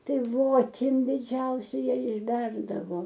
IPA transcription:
ˈtɐɪ ʋoːˈtʲɪm dʲɪˈd͡ʒʲɛʊsʲɛ ˈjæː ɪʒʲˈbʲɛrdɐʋoː

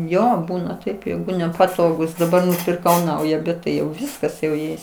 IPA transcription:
ˈjoː ˈbuːnɐ tɐɪp ˈjɛɪɡʊ nʲɛpɐˈtoːɡuːs dɐˈbɐr nʊpʲɪrˈkɐʊ ˈnɐʊjɛ bʲɛt ˈtɐɪ jɛʊ ˈʋʲɪskɐs jɛʊ ˈjɛɪs

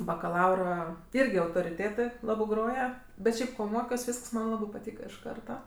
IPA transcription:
bɐkɐˈlˠɐʊrɐ ˈɪrʲɡʲɪ ɐʊtoːrʲɪˈtʲeːtɜ ˈlˠɑːbɜ ˈɡroːjɛ bʲɛt ˈʃʲɛɪp ˈkoː ˈmoːkʲoːs ˈʋʲiːsks mɐn ˈlˠɑːbɜ pɐˈtʲiːkɐ ɪʃ ˈkɐrtɐ

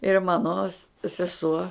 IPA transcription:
ɪr ˈmɑːnoː s sʲɛˈsuɔ

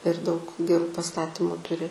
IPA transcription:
ɪr dɐʊk ɡʲɛˈruː pɐˈstɑːtʲiːmʊ ˈtʊrʲɪ

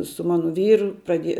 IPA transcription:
sʊ ˈmɑːnʊ ˈʋʲiːrʊ prɐˈdʲiɛjɛ

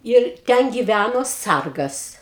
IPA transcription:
ɪr ˈtʲɛn ɡʲɪˈʋʲænoː ˈsɐrɡɐs

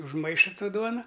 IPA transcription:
ʊʒˈmɐɪʃɐ ˈtoː ˈduɔnɐ

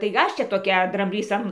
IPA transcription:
tɐɪ ˈɐʃ ˈt͡ʃʲɛ toːˈkʲɛ drɐmʲˈbʲlʲiːs ɐn

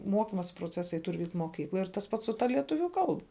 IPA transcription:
ˈmuɔkʲɪmoːsʲɪ proːˈt͡sʲæːsɐɪ ˈtʊr ˈʋʲiːktʲ moːˈkʲiːklˠoːj tɐs ˈpɐts sʊ ˈtɐ lʲiɛˈtʊʋʲʊ ˈkɐlˠbɐ

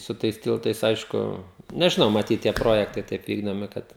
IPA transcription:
sʊ ˈtɐɪs ˈtʲɪlˠtɐɪs ˈɐɪʃkʊ nʲɛʒʲɪˈnɐʊ mɐˈtʲiːt tʲiɛ ˈproːjɛktɐɪ ˈtɐɪp ˈʋʲiːɡdoːmʲɪ ˈkɐt

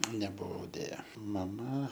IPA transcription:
nʲɛbʊˈʋɐʊ dʲeːˈjɛ mɐˈmɐ

